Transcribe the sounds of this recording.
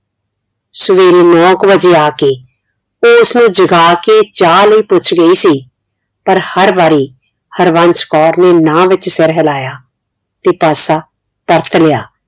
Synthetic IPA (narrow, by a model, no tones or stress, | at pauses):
sʊʋeːlnɔ̃ːkbəd͡ʒeaːkeː | oːʊsnũːd͡ʒəɡaːkeːt͡ʃaːləiːpʊt͡ʃʰɡəiːsiː | pəɾhəɾbaːɾiː | həɾʋãnskɔːɾneːnãːʋɪt͡ʃsɪɾɦɛːlaːjaː | t̪eːpaːsaː | pəɾt̪lejaː